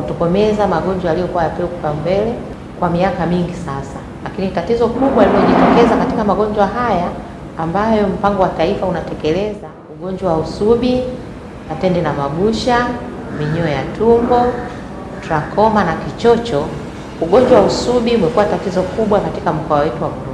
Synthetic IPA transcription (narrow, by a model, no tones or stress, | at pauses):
kutɔkɔmɛzamaɠɔɲd͡ʒwaalijɔkuwajapɛukupambɛlɛ | kwamiakamiŋɡisasa | lakinitatizɔkuɓwaliɔʄitɔkɛzakatikamaɠɔɲd͡ʒwaɦajaː | mbajɔm̩paŋɡɔwataifaunatɛkɛlɛza | uɠɔɲd͡ʒwawausuɓi | natɛndɛnamaɡuʃa | miɲɔjatʰumbɔ | tɾakʰɔmanakit͡ʃɔt͡ʃɔ | uɠɔɲd͡ʒwawausuɓiumɛkuwatatizɔkuɓwakatikam̩kɔawɛtuwamuɾu